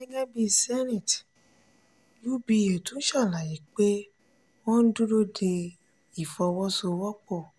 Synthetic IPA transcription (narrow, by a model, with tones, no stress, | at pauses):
nĩ˦ɡɛ˦bi˧sɛ˦nĩ˦˨t | lu˦bi˧˦e˨tũ˨˦n̩˦ʃa˦˨la˨ji˨˦k͡pe˦ | wɔ̃˦n̩˦du˦ɾo˦de˧ | i˨fɔ˧wɔ˦so˧wɔ˦k͡pɔ˦˨